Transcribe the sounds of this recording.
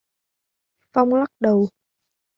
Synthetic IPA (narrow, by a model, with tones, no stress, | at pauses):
fa˧wŋ͡mla˦˥k̚ɗə˨˩w